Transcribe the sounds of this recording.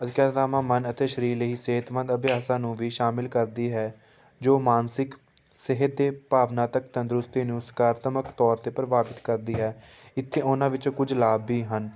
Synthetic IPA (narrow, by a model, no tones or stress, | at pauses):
əd̪ɪkaːɾt̪aːmãːmənət̪eːʃəɾiːləɦiːseːət̪mə̃nd̪əbɪjaːsãːnũːʋiːʃaːmɪlkəɾd̪iːɦɛː | d͡ʒoːmaːnsɪk | sɪɦət̪̚d̪eːpaːʋnãːt̪əkt̪ə̃nd̪ɾʊst̪iːnũːsə̥kaːɾət̪əməkt̪ɔːɾt̪eːpəɾəbaːpɪt̪kəɾd̪iːɦɛːɪt̪ʰːeːʊnãːʋɪt͡ʃõːkʊd͡ʒlaːbːiːɦən